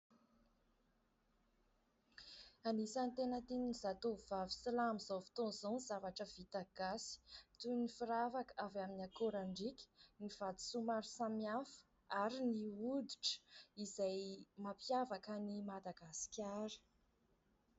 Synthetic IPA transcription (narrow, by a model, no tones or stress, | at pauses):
anisant̪enət̪innizat̪uvivavi̥silamizawfi̥t̪onzaniz̥avaʈ͡ʂəv̥it̪aɡ̥asi̥t̪unifiɾavakəavaminakoɾaɳɖ͡ʐikʲi̥niv̥ad̪i̥sumaɾusamiafə̥ | aɾiniud̪uʈ͡ʂə̥izajmapjavakənimad̪aɡasi̥kʲaɾə̥